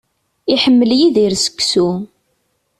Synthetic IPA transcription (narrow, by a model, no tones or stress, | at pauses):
iħəmːəljiðiɾsə̥kːsu